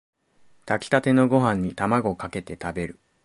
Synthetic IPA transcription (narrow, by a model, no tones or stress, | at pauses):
t̪akʲi̥t̪at̪e̞no̞ɡo̞ɦãɲ̟ːit̪amaɡo̞kake̞t̪e̞t̪abe̞ɾɯ̟